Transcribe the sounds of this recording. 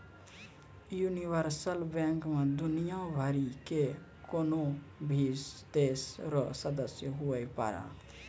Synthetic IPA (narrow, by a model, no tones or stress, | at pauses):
juniʋəɾsəlbɛ̃ŋkmẽd̪ʊnijabʱəɾike | koːno | bʱiːzd̪eːsɾɔsəd̪əsjəɦuəjpa̰ɾa̰